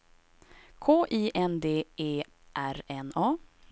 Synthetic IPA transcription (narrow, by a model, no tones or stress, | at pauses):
kʰoːʔiːʔɛnd̪eːʔeː | ʔæɾɛnɑː